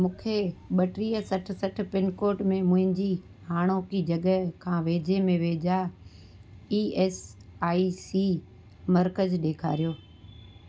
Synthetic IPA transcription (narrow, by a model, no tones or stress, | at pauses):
mũːkʰeɓɐʈɾiːəsɐʈ̆ʰsɐʈ̆ʰpɪnkoːɾʈmẽmʊ̃ɦɪ̃ɲd͡ʑi | haːɽ̃oːkid͡ʑɐɠəkʰãːʋeːd͡ʑemẽʋeːd͡ʑa | iːɛːsaːisi | mɐɾkəd͡ʑɗeːkʰa̰ːɾijoː